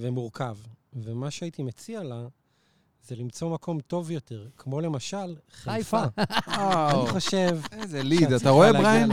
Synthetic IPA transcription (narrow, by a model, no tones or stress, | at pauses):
vemuʁkʰavvemaʃeajit̪imet͡siala | zelimt͡so̞mako̞mto̞vjo̞te̞ʁkʰmo̞le̞maʃalχefa | aniχo̞ʃe̞vezelidatt̪aʁoelʁajn